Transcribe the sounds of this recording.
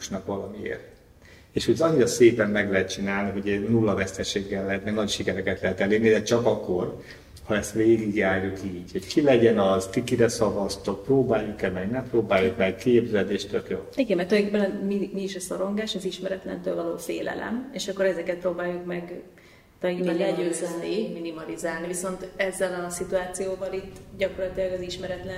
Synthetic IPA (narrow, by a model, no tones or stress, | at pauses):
ʃnɒkʋɒlɒmiḛːrt̪ | eːʃutɒɲːiɾɒseːpɛmːɛɡlɛɦɛt̪̚t͡ʃinaːlniɦo̞ɟnulːɒvɛst̪ɛʃeːɡːɛlːɛɦɛt̪mɛɡnɒcʃikɛɾɛkɛt̪lɛɦɛt̪ɛleːrnid̪ɛt͡ʃɒkɒkːo̞r | hɒɛst̪ʋeːɡiɡjaːrjukiːɟho̞ckʰilɛɟɛnɒzt̪ikiɾɛsɒvɒst̪ok̚proːbaːjːukɛmɛɡnɛmproːbaːjukmɛkkeːbzɛd̪eːʃt̪økjoːiɡɛmɛrt̪kbɛnmimiːʃɛsɒɾo̞ŋɡaːʃɒziʃmɛɾɛt̪lɛ̰nt̪øːlvɒloːfḛːlɛ̰lɛ̰meʃɒkːo̞ɾɛzɛkɛt̪̚proːbaːjːukmɛɡ | t̪ɒiɛlɛɟøːzɛnniminimɒlizaːlniviso̞nt̪ɛzːɛlɒsit̪uaːt̪sijoːvɒlit̪ːɟɒkorlɒt̪ilɒɡɒziʃmɛɾɛt̪lɛn